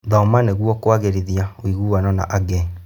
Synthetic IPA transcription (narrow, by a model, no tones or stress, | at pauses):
ðɔɔmaneɣwɔkwaɣeɾeðiawiɣuːwanɔna̰ʔaɡɛ